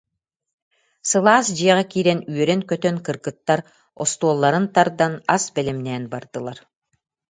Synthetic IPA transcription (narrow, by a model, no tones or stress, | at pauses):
sɯlˠaːsd͡ʑiɛʁɛkiːɾɛnyœɾɛnkœt̪œnkɯɾkɯt̪ːaɾ | ɔ̰st̪uɔːlˠːaɾɯnt̪aɾd̪anasbɛlɛmnɛːnbaɾd̪ɯlˠaɾ